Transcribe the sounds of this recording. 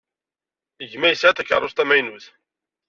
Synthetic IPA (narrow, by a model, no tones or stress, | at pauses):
əʝmæjəsʕæθækːə̰ɾˤʊst̪æmæjnuθ